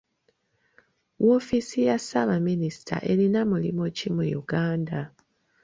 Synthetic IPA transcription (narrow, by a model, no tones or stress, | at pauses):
wo̞fisijasaβaminisi̥tʰa̰ʔe̞linamulimocimujṵɡaːnda